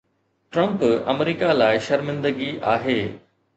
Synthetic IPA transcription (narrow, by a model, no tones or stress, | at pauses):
ʈɾɐ̃mpɐ̰mɾiːkalaːɪʃɐɾmɪ̃nd̪əɡiʔaːɦeː